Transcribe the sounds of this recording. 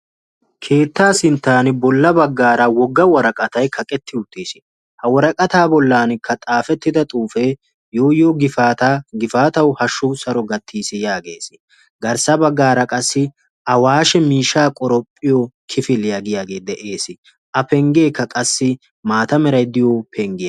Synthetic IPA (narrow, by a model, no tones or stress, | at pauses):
kʰe̞ːt̪ːaːsɪnt̪ːaːnɪbɔlːɐbɐɡːaːɾɐwɔɡːɐwɔɾɐkʼɐt̪ɐjkʰɐkʼɛt̪ʰːɪʊt̪ːiːsɪ̥ | hɐwɔɾɐkʼɐt̪aːbɔlːaːnɪkʰːɐt̪ʼaːfɛt̪ːɪd̪ɐt̪ʼuːfeː | jo̞ːjoːɡɪfat̪aɡɪfaːt̪ɐwhɐʃːʊsɐɾɔɡɐt̪ːiːsɪjaːɡe̞̰ːsɪ̥ | ɡɐɾsɐbɐɡːaːɾɐkʼɐsːɪ | ʔɐwaːʃɛmiːʃaːkʼɔɾɔpʼːɪjoːkʰɪfɪlɪjaːɡɪjaːɡe̞ːd̪ɛʔe̞ːsɪ | ʔɐpɛŋɡe̞ːkːɐkʼɐsːɪ | maːt̪ɐmɛɾɐjd̪ɪjopʰɛŋɡɪjɐ